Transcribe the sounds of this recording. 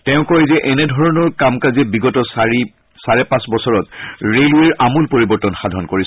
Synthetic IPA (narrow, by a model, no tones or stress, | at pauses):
tɛʊ̃kɔɹɛzɛʔɛnɛdʱɔɹɔnɔɹkamkaziɛbiɡɔtɔsɹi | saɹɛpãsbɔsɔɹɔtɹelweɹʔamulpoɹibɔɹtɔnxadʱɔnkoɹis